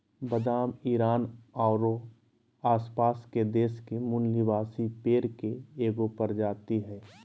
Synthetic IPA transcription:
bəd̪aːmiːɾaːnaːɾo | aːspaːsked̪eːʃkemʊnliʋaːsipeːɾkeeːɡopəɾd͡ʒaːt̪iɦɛː

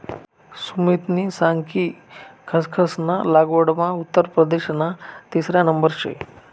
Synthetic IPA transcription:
sumit̪nisaŋkikʰəskʰəsnalaɡoɽmaut̪ːəɾpɾəd̪eɕnat̪isɾjanəmbəɾɕḛ

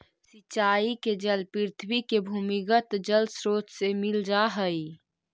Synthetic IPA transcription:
sɪt͡ʃaːiked͡ʒəlpɪɾt̪ʰwikebʱuːmɪɡət̪d͡ʒəlsɾoːt͡ʃsemɪld͡ʒaɦəi

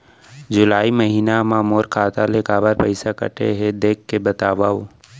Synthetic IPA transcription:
d͡ʒʊlaːiməɦiːnamãmoːɾkʰaːt̪aleːkaːbəɾpəɪsakə̰ʈḛɦɛd̪eːkʰːebət̪aːʋaːo

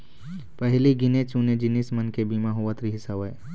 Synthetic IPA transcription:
pɛɦliɡɪnet͡ʃuːned͡ʒɪnismənkebiːmaɦʊʋat̪ɾiɦɪsaʋeː

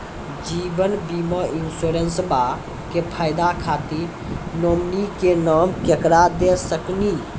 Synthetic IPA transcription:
d͡ʒibənbiməinsoɾensba | kepʰajd̪akʰat̪iɾ | nomnikenaːmkekɾad̪esəkni

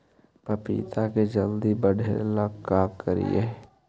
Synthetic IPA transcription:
pəpḭːt̪ʰaked͡ʒəld̪ibəɽʱelakːaːkːəɾḭeː

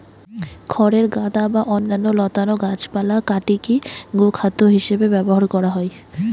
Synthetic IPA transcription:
kʰɔɾeɾɡad̪abaʔɔnːanːolɔt̪anoɡat͡ɕpalakaʈikiɡokʰat̪ːoɦiʃebebɛboɦaɾkɔɾaɦɔe

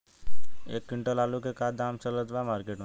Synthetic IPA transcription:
eːkːɪɳʈəlaːlukekaːd̪aːmt͡ʃələd͡ʒʋamaːɾkeːʈmẽ

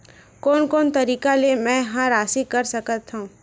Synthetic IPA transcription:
kɔːnkɔːnt̪ɐɾiːkalemɛ̃ːɦãɾaːsikɐɾsɐkət̪ɦũː

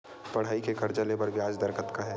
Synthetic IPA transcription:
pɐɽ̤ɦaːikekɐɾd͡ʒalebɐɾbjaːd͡ʒd̪ɐɾkət̪kaɦɛː

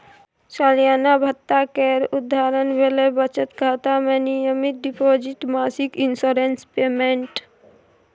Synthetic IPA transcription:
saːlijaːnabʱət̪ːakeːɾʊd̪ʱːaːɾənbeːlebət͡ʃət̪kat̪amẽnijəmit̪̚ɖipoːd͡ʒiʈmaːsikɪnsoːɾenspeːmeɳʈ

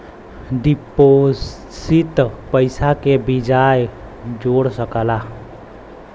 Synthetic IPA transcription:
ɖipo | sit̪pəɪsakebid͡ʒaj | d͡ʒoɽsəkəla

